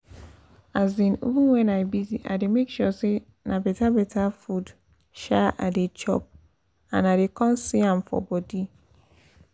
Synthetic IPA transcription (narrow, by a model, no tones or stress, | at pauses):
azĩnḭvĩnwɛ̃naɪbiziʔa̰demekʃɔse | nabɛtabɛtʰafud | ʃaʔa̰det͡ʃɔ̰p̚ | ã̰nadekɔ̃nsiãmfɔ̰bɔdi